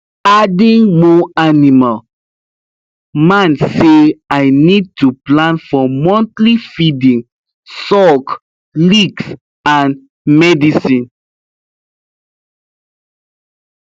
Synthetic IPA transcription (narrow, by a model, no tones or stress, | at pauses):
adĩŋmɔanimal | mãnseajnid̚tuplãnfɔmɔ̃ntlifidĩŋ | sɔk | liks | ãn | mɛdisĩn